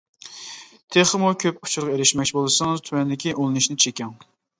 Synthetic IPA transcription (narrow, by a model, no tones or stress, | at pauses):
t̪ʰeχmukʲʰøp̚ʊ̥t͡ʃʰuɾʁɑeɾɪʃmɛk̚ʲt͡ʃʰibolˠɨsɑŋzt̪ʰywɛnd̪ɪkʲiʔolˠɨnɨʃnɪt͡ʃʰekʲɛŋ